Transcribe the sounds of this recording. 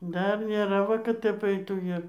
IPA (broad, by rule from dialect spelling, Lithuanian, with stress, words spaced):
ˈdɐr nʲeːˈrɐ ˈʋɐ kɐt ˈtʲɛp ˈɐɪtuː ɪr